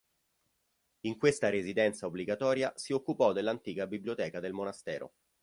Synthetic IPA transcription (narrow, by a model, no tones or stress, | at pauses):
iŋkwest̪aɾezid̪ɛnt̪saobliɡat̪ɔːɾjasiokːupɔd̪elːant̪iːkabiblijot̪ɛːkad̪elmonast̪ɛ̰ːɾo̰